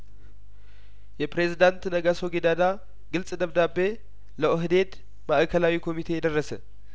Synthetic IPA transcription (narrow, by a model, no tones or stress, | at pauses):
jɛpɾe̞zid̪ant̪nəɡasoɡed̪ad̪a | ɡɨlsʼd̪əβd̪abːe̞ | ləʔɨɦɨd̪e̞d̪ | maʔkʰəlawikʰo̞mit̪ʰe̞jɛd̪ərːəsə̰